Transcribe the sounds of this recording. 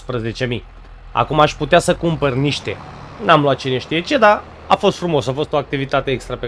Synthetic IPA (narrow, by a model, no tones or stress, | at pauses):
spɾəze̞t͡ʃe̞mi | a̰kumaʃput̪easəkumpərniʃt̪e̞̰ | namluwat̪̚t͡ʃene̞ʃt̪ije̞t͡ʃe̞d̪a | afo̞st̪fɾumo̞safo̞st̪o̞ak̚t̪ivit̪at̪e̞ekst̪ɾape